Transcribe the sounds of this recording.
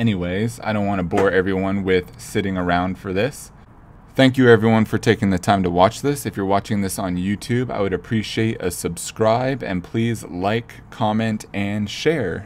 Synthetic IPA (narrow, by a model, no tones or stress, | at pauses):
ɛñiweɪza̰ɪɾõʊ̃nʔwɑ̃ñəbɔɹɛvɹiwʌ̃nwɪð̥sɪɾɪ̃ŋə˞ãʊ̃nd̥fə˞ðɪs | θæ̃ŋkjɨɛvɹiwʌ̃nfə˞tʰeɪkɪ̃ŋðɨtʰãɪ̃mtəwɑt͡ʃðɪsɨfjə˞wɑt͡ʃɪ̃ŋðɪsn̩jʉtʰʉba̰ɪwɨɾɨpʰɹ̥iʃieɪɾɨ̰sɨb̥skɹaɪbɨ̰̃npʰl̥izlaɪkʰɑmɛ̃ntɨ̃nʃɛɹ